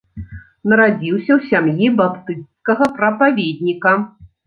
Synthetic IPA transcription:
nɐɾad͡zʲiwsʲɐwsʲamjibapt̪ɨt̪skɐɣɐpɾɐpavʲed̪ʲnʲikɐ

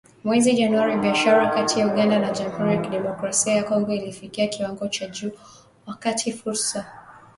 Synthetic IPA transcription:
mwɛziʄanuaɾiɓiaʃaɾakatʰijauɠandanaʄamuhuɾijakiɗɛmɔkɾasiajakɔŋɡɔilifikiakiwaŋɡɔt͡ʃaʄuː | wakatʰifuɾsa

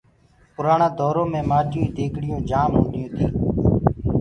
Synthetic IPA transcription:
pʊɾaːɳãːd̪ʱɔːɾõːmẽːmaːɗjuːiːd̪eːkʰɽɪjõːd͡ʒaːmɦõːnɪjõːt̪iː

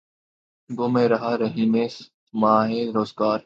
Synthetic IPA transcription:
ɡomẽːɾɐɦaːɾəɦiːneːs | mãːɦẽːɾoːzɡaːɾ

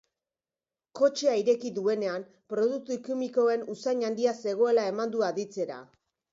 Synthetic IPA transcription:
ko̞t͡ʃe̞aiɾe̞kiðue̞ne̞am | pɾo̞ðuk̚t̪uikimiko̞e̞nusaɲand̪iase̞ɣ̞o̞e̞lae̞mand̪uaðit͡se̞ɾa̰

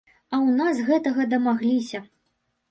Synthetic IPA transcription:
ɐwnasɣɛt̪ɐɣɐd̪ɐmaɣlʲisʲɐ

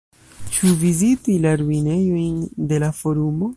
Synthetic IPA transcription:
t͡ʃuvizitilaɾuine̞jo̞jnde̞lafo̞ɾumo̞

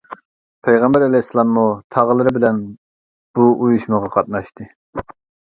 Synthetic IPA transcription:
pʰɛjʁɑmbɛɾɛlɛjsɨlˠɑmːut̪ʰɑʁəlˠɨɾɨbɪlɛn | b̥uʔujuʃmɨʁɑqʰɑt̪̚nɑʃt̪ɨ

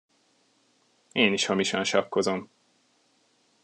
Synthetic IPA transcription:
eːniʃhɒmiʃɒnʃɒkːo̞zo̞m

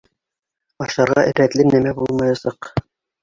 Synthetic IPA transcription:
ɑʃɑɾʁɑ̰ʔɘ̆ɾæt̪lɘmnæmæbulˠmɑjɑsɑq

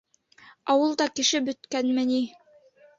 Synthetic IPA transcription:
ɑwɤlˠd̪ɑkɘ̆ʃɘbɵ̆t̪kænmɘ̆ni

